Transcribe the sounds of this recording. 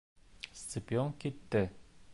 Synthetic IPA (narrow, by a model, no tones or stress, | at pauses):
st̪sɨpʲioŋkit̪ːɘ